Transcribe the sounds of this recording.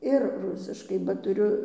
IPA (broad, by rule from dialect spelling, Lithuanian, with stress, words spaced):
ɪr ˈrʊsʲɪʃkɐɪ bɐ tʊˈrʲʊ